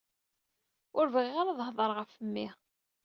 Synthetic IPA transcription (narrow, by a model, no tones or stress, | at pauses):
ʊɾvʁiʁaɾaðˤhðˤəɾˤʁəfəmːi